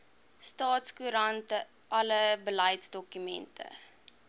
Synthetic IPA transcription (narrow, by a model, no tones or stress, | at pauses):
stɑːtskuɾɐntə | ʔɐləbəlɛjtsdɔkymɛ̰ntʰə̰